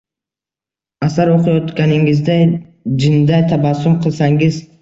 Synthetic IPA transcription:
asaɾoqijɔt̪ɡaniŋɡizd̪ajd͡ʒind̪ajt̪ʰabasumqʰɨlˠsaŋɡiz

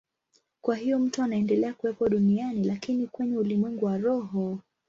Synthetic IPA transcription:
kwaɦijɔm̩tuanaɛndɛlɛakuwɛpɔɗunianilakinikwɛɲɛulimwɛŋɡuwaɾɔɦɔ

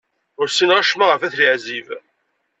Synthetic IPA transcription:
ʊɾsinʁaʃmaʁəfæθliʕziv

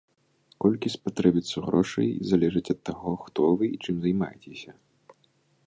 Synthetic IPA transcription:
kɔlʲkʲispat̪ɾɛbʲit̪sɐɣɾɔʂɐ̰jizalʲɛʐɨt͡sʲɐt̪ːaɣɔxt̪ɔvɨit͡ʂɨmzajma̰jet͡sʲesʲɐ

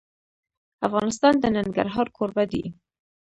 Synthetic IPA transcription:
afɣɑnɪs̬t̪ɑnd̪ənaŋɡa̰ɾɦɑɾkʰoɾbad̪ḭ

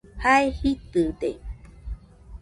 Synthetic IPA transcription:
haehit̪ɨd̪ḛ

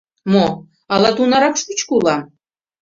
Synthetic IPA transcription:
mo | ɑlɑt̪unɑɾɑkʃut͡ɕkulɑ

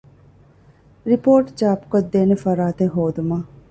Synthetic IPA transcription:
ɾipoːʈd͡ʒaːpkɐd̪ːeːnefɐɾaːt̪eɦoːd̪umaː

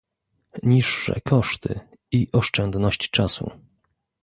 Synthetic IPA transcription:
ɲiʂːɛ̰kʰɔʂt̪ʰɘ̰ | iʔɔʂt͡ʂɛnd̪nɔɕt͡ɕt͡ʂasṵ

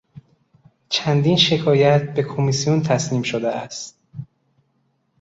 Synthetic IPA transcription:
t͡ʃʰænd̪iːnʃe̞kʰɒːjæt̪̚be̞kʰo̞misijunt̪ʰæsniːmʃod̪eʔæst̪

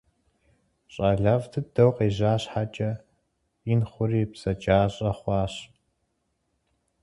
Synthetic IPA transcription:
ɕʼaːɮɐvtʰɨd̥ɐwqeːʑaːɕħat͡ʃʼɐ | inχʷʊriːpsɐt͡ʃʼaːɕʼɐχʷɑːɕ

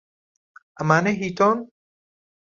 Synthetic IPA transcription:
amaneɦiːt̪ɔn

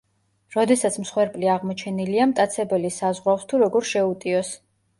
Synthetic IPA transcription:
ɾɔd̪ɛsat̪sʰmsχwɛɾpʼliaʁmɔt͡ʃʰɛniliamt̪ʼat̪sʰɛbɛlisazʁwafst̪ʰuɾɔɡɔɾʃɛut̪ʼiɔs

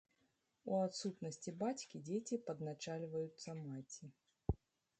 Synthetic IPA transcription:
uat̪sut̪nɐsʲt͡sʲibat͡sʲkʲid͡zʲet͡sʲipɐd̪nat͡ʂalʲvɐjut̪sːɐmat͡sʲi

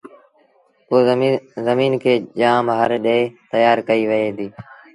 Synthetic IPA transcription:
uːzəmiːnkʰeːʄaːmɦəɾɗeeːt̪əjaːɾkəiːʋəeːd̪iː

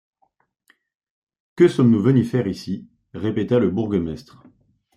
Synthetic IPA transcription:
kəsɔmnuvənyfɛʁisi | ʁepet̪aləbuʁɡəmɛst̪χ

